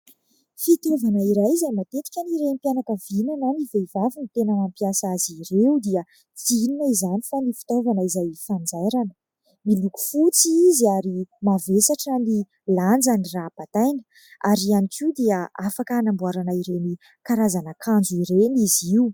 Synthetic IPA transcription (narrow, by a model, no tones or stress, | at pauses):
fit̪ovanəiɾajzamat̪et̪i̥kʲaniɾempianakəvinananivevavinit̪enaampijasaziɾewd̪iə | t͡sininaizanifanifi̥t̪ovanəizajfand͡zaɾanə | miluku̥fut͡siiziaɾimavesaʈ͡ʂani | land͡zaniraːpat̪ajnə̥ | aɾianikid̪iəafakaːnambuaɾanaiɾewni | kaɾazanakʰand͡zuiɾeniziu